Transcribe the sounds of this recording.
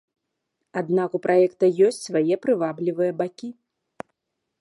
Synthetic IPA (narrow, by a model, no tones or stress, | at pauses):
ad̪nakupɾʔajɛkt̪ɐjɔsʲt͡sʲsvajɛpɾɨvablʲivɨjɐbakʲi